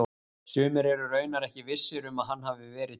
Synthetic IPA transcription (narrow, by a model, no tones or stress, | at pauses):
sʏːmɪɾɛɾʏrœːɥnaɾɛhcɪvɪ̥sːɪɾʏmaðɦanːɦavɪvɛːɾɪ